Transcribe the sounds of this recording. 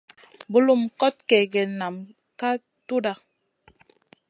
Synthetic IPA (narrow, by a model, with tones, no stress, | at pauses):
bu˦lu˦˨mkɔ˦t̚kɛ˨ɡɛ˨na˨m | ka˦ | tu˦da˦˨